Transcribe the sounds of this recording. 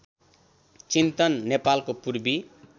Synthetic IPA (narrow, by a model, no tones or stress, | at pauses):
t͡sint̪ʌnːepalkopurbi